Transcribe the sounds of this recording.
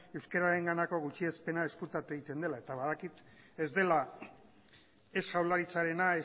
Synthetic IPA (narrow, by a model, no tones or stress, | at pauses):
e̞wskaɾaɾe̞ŋɡanako̞ɣ̞ut͡ʃie̞spe̞nae̞skut̪at̪eɣit̪e̞nd̪e̞lae̞t̪aβaðakit̪ | e̞zd̪e̞la | e̞sɣawlaɾit͡saɾe̞nae